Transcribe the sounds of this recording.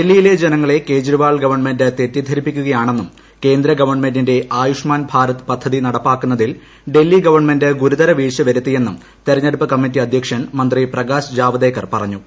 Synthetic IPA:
delːijile̞d͡ʑe̞nɐŋːɐɭe̞ke̞ːd͡ʑriʋaːɭɡɐʋɐrɳme̞ndɨt̪e̞tːjɐd̪ʱɐɾipːikʲːuɣɐjaːɳe̞nːum | ke̞ːnd̪ɾɐɡɐʋɐrɳme̞ndinde̞ʔaːjuʂmaːnbʱaːɾɐt̪ːɨ̥pɐd̪ʱːɐðinɐɽɐpːaːkːunːɐðil | ɖe̞lːiɡɐʋɐrɳme̞ndɨɡuɾud̪ɐɾɐʋiːʂɐʋɐɾut̪ːije̞nːum | t̪eɾɐɲːeɽupːɐkɐmːit̬ːiɐd̪ʱjɐkʂjɐɳmɐnd̪riprɐɡaːsd͡ʑaːʋɐd̪eːkːɐrpɐrɐɲːu

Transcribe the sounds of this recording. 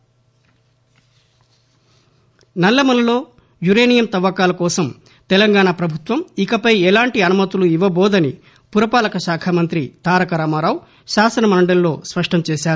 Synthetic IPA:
nɐlːɐmɐnlo̞ː | juɾeːnijɐmt̪ɐʋɐkaːlɐkɔːsɐm | t̪ɛlɐŋɡaːɳaːpɾɐbʱut̪ʋɐmikɐpɐjɛlaːɳʈiɐnumɐt̪uluiʋɐbɔːd̪ɐni | puɾɐpaːlɐkɐʃaːkʰɐmɐnt̪ɾit̪aːɾɐkɐɾaːmaɾaːw | ʃaːsɐnɐmɐɳɖɐlːo̞ːspɐʂʈʰɐmt͡ʃɛːʃaːɾuu

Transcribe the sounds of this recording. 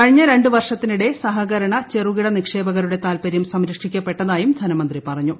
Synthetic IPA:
kɐɻiɲːɐɾe̞ɳɖɨʋɐrʂɐt̪ːiniɽe̞sɐɦɐɣɐɾɐɳɐt͡ɕeruɣiɽɐnikʂe̞ːbɐɣɐɾuɽe̞t̪aːlpɐɾjɐmsɐmɾɐkʂikʲːɐpːe̞ʈːɐðaːjumd̪ʱɐnɐmɐnd̪ripɐrɐɲːu

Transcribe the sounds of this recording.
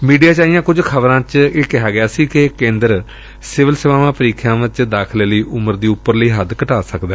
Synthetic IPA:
miːɖijaːt͡ʃaːijãːkʊd͡ʒkʰəbɾãːt͡ʃeːkɪɦaːɡɪaːsiːkɪkẽːnd̪əɾ | sɪʋəlsɪʋãːʋãːpəɾiːkʰjãːʋɪt͡ʃd̪aːkʰleːləiːʔʊməɾd̪iːʊpːəɾləiːɦəd̪kəʈaːsəkd̪ɛː

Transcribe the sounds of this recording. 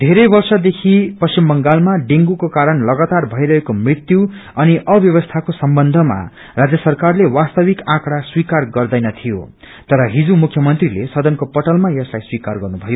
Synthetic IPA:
d̪ʱeɾʌjbʌrsʌd̪ekʰipʌst͡ɕimbʌŋɡalmaɖeŋɡukokaɾʌnlʌɡat̪arbʱʌiɾʌɦekomrit̪juwʌniʔʌbjʌβʌst̪ʰakosʌmbʌnd̪ʱʌma̰ | rad͡zjʌsʌrkarlewast̪ʌbikãkɽaswikarɡʌrd̪ʌjnʌt̪ʰijo̰ | t̪ʌɾʌɦid͡zumukʰjʌmʌnt̪rilesʌd̪ʌnkopʌʈʌlmajʌslajswikarɡʌrnubʱʌjo

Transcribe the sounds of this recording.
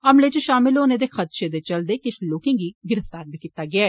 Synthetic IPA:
əmleːt͡ʃəʃaːmɪlɦoːnẽːd̪eːxʰət̪ʃeːd̪eːt͡ʃəld̪eːkɪʃloːkẽːŋɡiːɡɪɾəft̪aːɾbʱiːkiːt̪ːaːɡɪaːɛː

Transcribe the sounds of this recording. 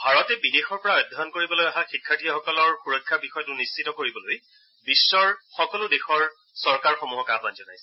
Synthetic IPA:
bʱaɹɔtɛbidexɔɹpɔɹaɔjd̪ʱɔdɔnkoɹibɔlojaɦaxikʰːatʰiɔxɔkɔlɔɹxuɹɔkʰːabixɔjɔtʊnist͡ʃʰitɔkoɹibɔloj | bisːɔɹxɔkɔlʊdexɔɹ | sɔɹkaɹxɔmuɦɔkabanzɔnajsɛ

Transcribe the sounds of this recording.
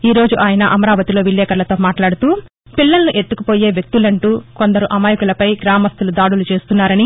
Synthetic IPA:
iːɾo̞ːd͡ʒuʔaːjɐnɐʔɐmɐɾaːʋɐt̪ilo̞ːʋiljɛːkɐɾlɐt̪o̞ːmaːʈlaːɽut̪uː | pilːɐlnuʔe̞t̪ːukupo̞ːje̞ːʋjɐk̚t̪ulɐɳʈuːko̞nd̪ɐɾuʔɐmaːjukulɐpɐjɡɾaːmɐst̪ulud̪aːɽulut͡ʃe̞ːst̪unːaːɾɐni

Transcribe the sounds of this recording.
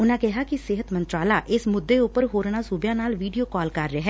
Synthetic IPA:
ʊnãːkɪɦaːkɪsɪɦət̪mənt̪ɾaːlaːʔɪsmʊd̪ːeːʊpəɾɦoːɾɳaːsuːbjãːnaːlʋiːɖijoːkɔːlkəɾːɪɦɛː

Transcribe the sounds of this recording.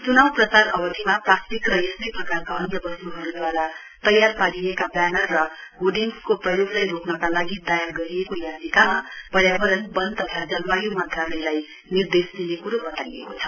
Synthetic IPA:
t͡sunawprʌt͡saɾʌbʌt̪ʰimaplastikrʌjesniprʌkarkaʌnjʌbʌst̪uɦʌɾud̪waɾa | t̪ʌjarpaliekabanʌrːʌɦoɖiŋskoprʌjoɡlajɾoknʌkalaɡid̪ajarɡʌɾijekojazikamapʌɾjabʌɾʌnbʌnt̪ʌt̪ʰad͡zʌlwajumat̪ralʌjlaj | nird̪esmilekuɾobʌt̪aiḛkot͡sʰʌ̥

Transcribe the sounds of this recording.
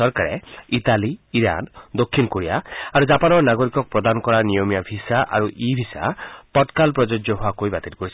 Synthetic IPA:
ɔɾkaɾḛit̪aliiɾa̰nd̪okʰːinkoɾijaaɾud͡ʒapanɔɾnaɡɔɾikɔk̚pɾɔd̪anɔkɔɾanijɔmijabʱisaʔa̰ɾuʔibʱisa̰p̪ɔʈkalpɾɔd͡ʒod͡ʒjɔɦoakojbat̪iɾkɔɾisʰ

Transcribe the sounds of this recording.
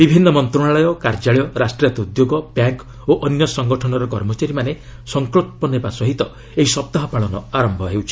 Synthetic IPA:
bibʱinːɔmɔnt̪ɾuɽaɭɔjɔkaɾd͡ʒaɭjɔɾasʈɾiat̪eud̪joɡɔbjaŋk | oʔɔnjɔsɔŋɡɔʈʰɔnɔɾɔkɔɾmɔt͡ʃaɾimane | sɔŋklot̪̚pɔnepasɔɦit̪ɔ | eɦisɔp̚t̪aɦɔpaɭɔnɔ̰aɾɔmbʱɔɦewt͡ʃʰi̥

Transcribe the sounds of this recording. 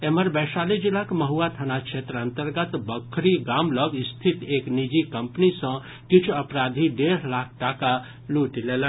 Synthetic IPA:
eməɾbɛsalid͡ʒilakməɦuat̪ʰənakt͡ʃʰet̪ɾənt̪əɾɡət̪bəkʰːɾiɡamləɡst̪ʰit̪eknid͡ʒikəmpnisə̃ | kit͡ʃʰuəpɾad̪ʱiɖeɾlak̚ʰʈaka | luʈlelə

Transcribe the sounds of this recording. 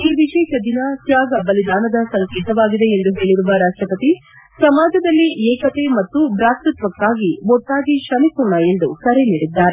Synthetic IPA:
iːʋiʃɛːʃɐd̪inɐt̪jaːɡɐbɐlid̪aːnɐd̪ɐsɐŋkeːt̪ɐʋaːɡid̪e̞ːnd̪uɦe̞ːɭiɾuʋɐɾaːʂʈɾɐpɐt̪i | sɐmaːd͡ʒɐd̪ɐlːiɛːkɐt̪e̞mɐt̪ːubɾaːt̪ɾut̪ʋɐkːaːɡiʋɔʈ̪ːaːɡiʃɐmikuɾɳɐe̞nd̪ukɐɾe̞niːɽid̪ːaːɾe

